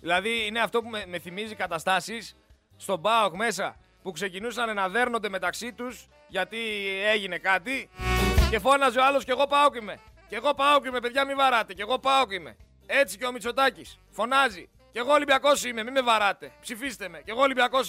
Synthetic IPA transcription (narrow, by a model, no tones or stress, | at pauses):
ðilɐðiine̞ɐft̪o̞pumeme̞θimizikɐt̪ɐst̪ɐsisː | t̪o̞bɐokme̞sɐ̰ | pukse̞cinusɐnenɐðe̞ɾno̞nd̪e̞me̞t̪ɐksit̪us | ʝɐt̪ie̞ʝine̞kɐt̪ice̞fo̞nɐzioɐlo̞sce̞ɣo̞pɐokime̞ce̞ɣo̞pɐokime̞peðʝɐmivɐɾɐt̪e̞ceɣo̞pɐokime̞̰ | e̞t͡siceo̞mit͡so̞t̪ɐcis | fo̞nɐzi | ce̞ɣo̞libjɐko̞sime̞mime̞vɐɾɐt̪e̞psifist̪eme̞ce̞ɣo̞libɐko̞s